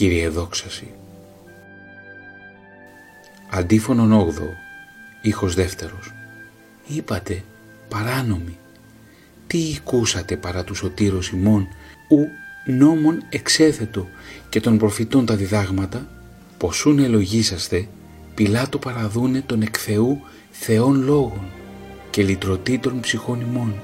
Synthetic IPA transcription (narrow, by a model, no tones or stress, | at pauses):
ciɾieðo̞ksɐsi | ɐnd̪ifo̞no̞no̞ɣðo̞̰ | ixo̞zðe̞ft̪e̞ɾo̞s | ipɐt̪e̞ | pɐɾɐno̞mi | t̪iːkusɐt̪e̞pɐɾɐt̪uso̞t̪iɾosimo̞nuno̞mo̞ne̞kse̞θe̞t̪o̞ce̞t̪o̞npɾo̞fit̪o̞nt̪ɐðiðɐɣmɐt̪ɐ | po̞sune̞lo̞ʝisɐst̪e̞ | pilɐt̪o̞pɐɾɐðune̞t̪o̞ne̞kθe̞u | θe̞o̞nlo̞ɣo̞nce̞lit̪ɾo̞t̪it̪o̞npsixo̞nimo̞n